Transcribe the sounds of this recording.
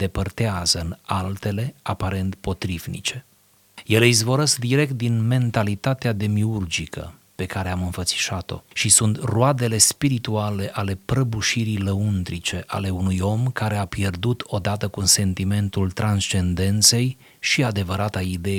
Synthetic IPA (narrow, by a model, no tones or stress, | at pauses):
d̪e̞pərt̪eazəɨnalt̪e̞le̞apaɾe̞nt̪po̞t̪ɾivnḭt͡ʃe̞ | je̞leizvo̞ɾəsd̪iɾe̞k̚t̪̚d̪inme̞nt̪alit̪at̪ead̪e̞miurd͡ʒikʰə̰ | pe̞kaɾe̞amɨnfət̪si̥ʃat̪o̞̰ʃisunt̪road̪e̞le̞spiɾit̪uale̞ʔale̞pɾəbuʃiɾiləund̪ɾit͡ʃe̞ʔa̰le̞unujo̞mkaɾe̞apje̞rd̪ut̪ʰo̞d̪at̪əkunse̞nt̪ime̞nt̪ult̪ɾanst͡ʃe̞nd̪e̞nt̪se̞j | ʃiad̪e̞vəɾat̪aid̪e̞